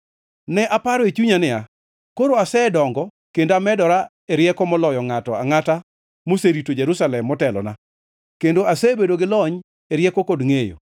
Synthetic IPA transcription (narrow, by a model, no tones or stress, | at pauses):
nɛʔapaɾɔet͡ʃuɲanɪa | koɾoasɛdɔŋɡɔ | kendoamɛdɔɾa | eɾjɛkɔmɔlɔjɔŋatɔaŋata | moseɾitod͡ʒeɾusalɛmːɔtɛlɔ̰na | kendoasebedoɡɪlɔɲ | eɾjɛkokodŋejo̰